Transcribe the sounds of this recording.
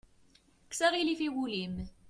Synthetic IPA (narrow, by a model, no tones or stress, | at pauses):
ksæʁilifiwulim